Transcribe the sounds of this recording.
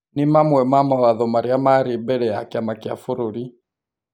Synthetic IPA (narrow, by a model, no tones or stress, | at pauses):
nimamwɛmamawaðɔmaɾiamaɾibɛɺɛa̰kiamakia̰fuɾuɾi